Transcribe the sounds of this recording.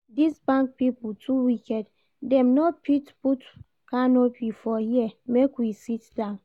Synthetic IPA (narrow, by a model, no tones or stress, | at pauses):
disbãŋk̚piptʰuwikɛd | dɛ̃mnopʰitput | kanopʰifɔhiɛmekwisitdãʊ̃n